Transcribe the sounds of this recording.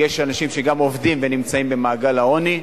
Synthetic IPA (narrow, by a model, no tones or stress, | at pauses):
jeʃanaʃimʃeɡamo̞vdimvenimt͡saimbe̞maːɡalao̞ni